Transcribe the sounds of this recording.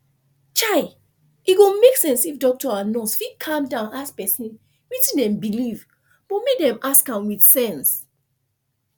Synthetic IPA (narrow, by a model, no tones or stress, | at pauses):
t͡ʃaɪ | iɡõmeksɛ̃nsifdɔk̚tɔãnɔsfikʰãmdãʊ̃naspɛsĩn | wit͡ʃĩndɛ̃mbiliv | b̥ɔmek̚dɛ̃maskãmwiθsɛ̃ns